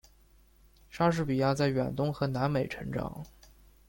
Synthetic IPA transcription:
ʂa˥ʂ̬ɻ̩˥˩pi˨˩ja˥˧t͡sa˥˩ɪɥɛ̰˨˩nt̪ʊ˥ŋxɤ˧˥na˧˥nme˨˩ɪʈ͡ʂʰɤ˧˥ŋʈ͡ʂɑ̰˨˩˦ŋ

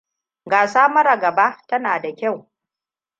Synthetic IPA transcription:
ɡaː˨saː˦mɐ˦ɾa˨ɡɐ˨ba˦tɐ˦naː˨da˨kʲa˦˨w

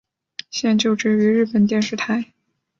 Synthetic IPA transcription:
ɕjɛ˥˧nt͡ɕjo˥˧ʊʈ͡ʂɻ̩˥˩y˧˥ɻɻ̩˥˩pə˨˩nt̪jɛ˥˧nʂɻ̩˥˩t̪ʰa˧˥ɪ

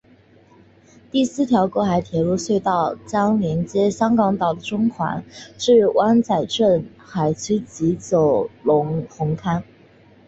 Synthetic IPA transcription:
t̪i˥˩sɹ̩˥˩t̪ʰjɑ˧˥ʊkwɔ˧˥xa˧˥ɪt̪ʰjɛ˧˥lu˥˧swe˥˧ɪt̪ɑ˥˩ʊt͡ɕjɑ˥ŋljɛ˧˥nt͡ɕjɛ˥ɕjɑ˥ŋkɑ˧˥ŋt̪ɑ˨˩ʊd̪ə˦ʈ͡ʂʊ˥ŋkʰwa̰˧˥nʂɻ̩˥˩wʔa˥nt͡sa˨˩ɪʈ͡ʂə˥˩n | xa˨˩ɪt͡ɕʰy˥t͡ɕi˧˥t͡so˨˩ʊlʊ˧˥ŋxʊ˧˥ŋkʰa˥n

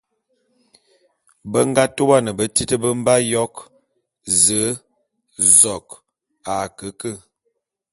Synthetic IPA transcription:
bə˦ŋ˦ɡa˦to˦wa˦nə˨bə˦ti˦tə˦bə˦m̩˦ba˦jɔ˦k | zə˨˦ | zɔ˨k | a˨kə˨˦kə˦˨

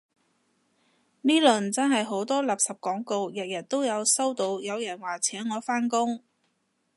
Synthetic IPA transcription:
niː˥lɵ˨˩nt͡sɐ˥nɦɐ˨jɦo˨˥wt̪ɔː˥laː˨˩p̚sɐ˨p̚kɔː˨˥ŋko˧wjɐ˨t̚jɐ˨˩t̚t̪o˥wjɐ˨˧wsɐ˥wt̪o˨˧wjɐ˨˧wjɐ˨˩nwaː˨˩t͡sʰɛː˨˥ŋŋɔː˨˧faː˥nkʊ˥ŋ

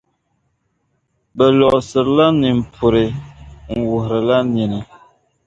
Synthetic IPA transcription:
bə˨lɔ˨ʔsə˨ɾla˦ni˨m̩˨pʰu˨ɾe˨ŋ̩˨wu˨hɾə˨la˦ni˨nə˨

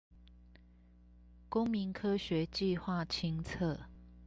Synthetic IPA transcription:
kʊ˦ŋmi˨˦ŋkʰɤ˦ɕɥɛ˨˦t͡ɕi˥˨xwa˥˨t͡ɕʰi˦ŋt͡sʰɤ˥˨

